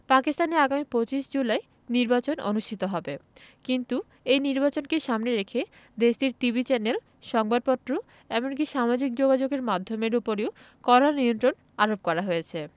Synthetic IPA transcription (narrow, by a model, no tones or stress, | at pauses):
pakist̪aneaɡamipot͡ɕiʃd͡ʑulae | niɾbat͡ɕonʔo̰nuʃʈʰit̪oɦɔbekint̪u | ejniɾbat͡ɕonkeʃamneɾekʰe | d̪eʃdiɾt̪ibʱit͡ɕɛnel | ʃɔŋbad̪̚pɔt̪ːɾo | ɛmonk̬iʃamad͡ʑik̚d͡ʑoɡad͡ʑoɡeɾmad̪ʱːomeɾupoɾeo | kɔɾaniont̪ɾon | aɾop̚kɔɾaɦojet͡ɕʰe